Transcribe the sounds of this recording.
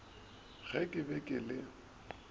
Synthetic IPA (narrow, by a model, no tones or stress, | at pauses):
ɣ̥ʰɛkʼɪbɛkʼɪlɪ